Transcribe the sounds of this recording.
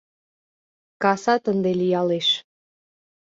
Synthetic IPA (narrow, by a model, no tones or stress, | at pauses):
kɑsɑt̪ənd̪elijɑleʃ